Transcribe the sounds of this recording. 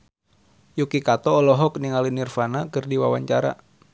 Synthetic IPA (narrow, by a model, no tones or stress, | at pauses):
jukikat̪ɔːlɔɦɔk̚niŋalinirfanakɨrdiwawaɲt͡ʃaɾa̰